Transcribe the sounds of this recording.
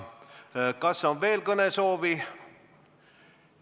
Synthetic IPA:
kɑsːonʋe̞ːlkɤnesoːʋi

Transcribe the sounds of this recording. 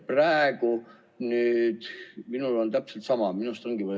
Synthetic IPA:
præeɡ̥u | nyːd̪̥minulo̞nt̪æpselt̪sɑmɑminust̪oŋɡ̥ivɑ

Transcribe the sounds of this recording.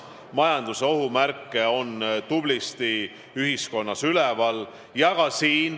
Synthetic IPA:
mɑjɑnd̪̥useo̞ɦumærkːˑe̞o̞nt̪ublist̪i | yɦisko̞nːɑsylɛvɑl | jɑɡ̥ɑsiːn

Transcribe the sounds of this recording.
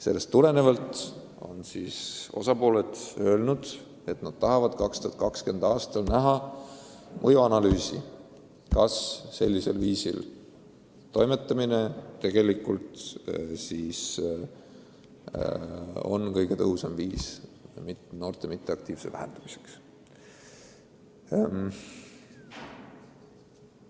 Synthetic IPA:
se̞lːe̞st̪ːule̞ne̞vɑlt̪ˑ | o̞̰nsiːso̞sɑpo̞ːled̪ø̞ːlnud̪̥ | e̞t̪nɑd̪̥̚t̪ɑɦɑvɑd̪̥kɑkst̪ot̪kɑkske̞nd̪̥ɑːst̪ɑlnæɦɑ | mʔɤjuɑnɑlyːsḭ | kɑsːe̞lʲːise̞lviːsḭl | t̪o̞jme̞t̪ˑːɑmine̞t̪e̞ɡ̥e̞likːˑult̪siːs | o̞̰nkɤjɡe̞t̪ɤɦusɑmviːsmit̪no̞ːrt̪e̞mit̪ˑːe̞ɑk̚t̪iːv̥se̞væ̰hḛnd̪̥ɑmise̥ks | m

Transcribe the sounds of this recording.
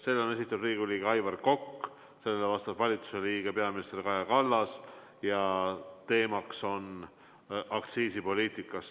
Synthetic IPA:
se̞lːeo̞ne̞s̬it̪ːˑɑd̪riːɡ̥uliːɡ̥eɑjvɑrko̞kː | se̞lːelːevɑst̪ɑvvɑlʲit̪u̥seliːɡ̥e̞pe̞ɑminist̪eɾikɑjɑkɑlːɑs | jɑt̪e̞ːmɑkso̞n | ʔɑk̚t̪siːsipo̞lʲiːt̪ˑikːˑɑs

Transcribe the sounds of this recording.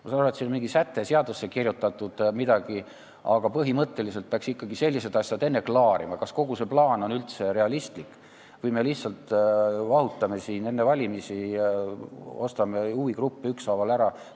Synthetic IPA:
mɑsɑnoɾet̪sinonmiŋɡ̥isæt̪ːˑe̞seɑd̪usːe̞kirjut̪ːˑɑt̪ːˑud̪̥mid̪̥ɑɡ̥i | ɑɡ̥ɑpɤɦimɤt̪ːe̞lis̬elt̪̚peɑksikːɑɡise̞lʲːise̞d̪ɑsjɑd̪e̞nːeklɑːɾimɑkɑsko̞ɡ̥use̞plɑːno̞nylt̪se̞ɾe̞ɑlist̪likˑ | vɤjme̞lihtsɑlt̪vɑɦut̪ːˑɑme̞siːne̞nːevɑlʲimisi | o̞st̪ɑme̞uːikrupːiyksɑvɑlæɾɑ

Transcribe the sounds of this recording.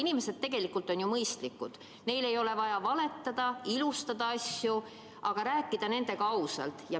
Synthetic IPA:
inime̞se̞d̪̚t̪e̞ɡ̥e̞likːult̪ˑo̞njumɤjst̪likːˑud̪̥ | ne̞jle̞jo̞le̞vɑjɑvɑle̞t̪ːɑd̪̥ɑilust̪ɑd̪ɑɑsju | ʔɑɡ̥ɑɾæːkːˑid̪̥ɑne̞nd̪̥e̞ɡɑɑusɑ̰lt̪jɑ

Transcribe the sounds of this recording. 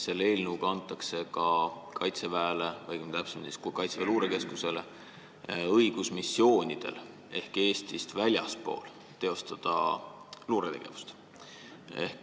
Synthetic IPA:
se̞lːe̞ːlʲnuːɡ̥ɑnt̪ːˑɑkse̞kɑkʰɑjt̪sevæelevɑjkmt̪æpsemɑt̪i̥skkɑjt̪seveluːɾeke̞skuse̞le̞ | ɤjɡ̥usmisːjo̞ːnʲid̪̥e̞̰l | e̞hke̞ːst̪ist̪vælʲjɑspo̞̰ːl | t̪ːe̞o̞st̪ɑd̪̥ɑ̰ | luːɾet̪e̞ɡ̥e̞̰vu̥st̪ | e̞̰hk

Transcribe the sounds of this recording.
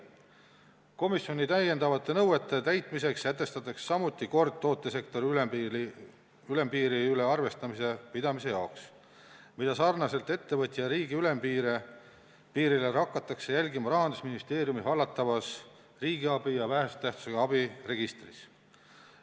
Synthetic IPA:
ko̞misjo̞nʲit̪æje̞nd̪ɑvɑt̪ːˑe̞nɤwet̪ːˑe̞t̪æjt̪ˑmis̬e̞kset̪ːˑe̞st̪ɑt̪ːˑɑksːɑmut̪ːˑiko̞rd̪̥̚t̪ːo̞ːt̪ːˑese̞kt̪o̞ɾiyle | yle̞mpiːɾiyleɑrve̞st̪ɑmise̞pid̪̥ɑmise̞jɑoks | mid̪̥ɑsɑːrnɑse̞lt̪e̞t̪ːe̞vɤt̪ʲːˑijɑɾiːɡiyle̞mpiːɾe | piːɾileɾɑkˑːɑt̪ːˑɑkse̞jælʲɡimɑɾɑɦɑnd̪usminist̪e̞ːɾjumisɑlːɑt̪ːˑɑvɑs | riːɡ̥iɑbijɑvæɦest̪æht̪su̥seɡɑɑbire̞ɡ̥ist̪ris

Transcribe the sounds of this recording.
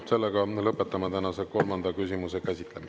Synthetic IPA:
se̞lːeɡɑlɤpːˑet̪ːˑɑmɑt̪ænɑseko̞lmɑnd̪ɑkysʲimusekæsʲit̪ˑlemi

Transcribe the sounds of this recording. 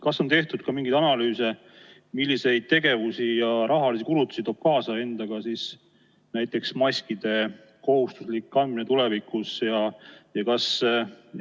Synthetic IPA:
kɑsːo̞nt̪e̞ht̪ud̪̚kɑmiŋɡid̪ɑnɑlyːse̞ | milːise̞jd̪̚t̪e̞ɡe̞vusijɑɾɑɦɑlisikulut̪ːˑusit̪o̞b̚kɑːsɑe̞nd̪̥ɑɡ̥ɑsis | næjt̪ːˑe̞ksmɑsʲkid̪e̞ | ko̞hust̪uslikːˑɑnd̪̥minet̪ulevikːˑusjɑjɑkɑs

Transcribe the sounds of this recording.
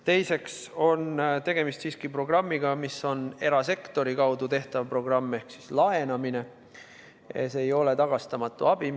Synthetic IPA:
t̪e̞jse̞kso̞nt̪e̞ɡ̥e̞mist̪siːskipro̞ɡ̥rɑmːiɡ̥ɑmisːo̞ne̞ɾɑse̞kt̪o̞ɾikɑwd̪ut̪e̞ht̪ɑvpro̞ɡ̥rɑmːe̞hksislɑe̞nɑmine̞ | ḛseːjo̞le̞t̪ɑɡ̥ɑst̪ɑmɑt̪ːˑuɑb̥i

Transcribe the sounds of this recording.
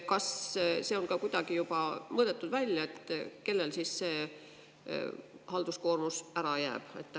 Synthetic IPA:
kɑsse̞o̞lkɑkujd̪̥ɑɡ̥ijub̥ɑmɤːd̪̥et̪ːˑud̪̥vælʲjɑe̞t̪ːke̞lːe̞lsiːsse̞ː | hɑld̪usko̞ːrmusæɾɑjæ̰ːb̥e̞̰t̪ːˑ

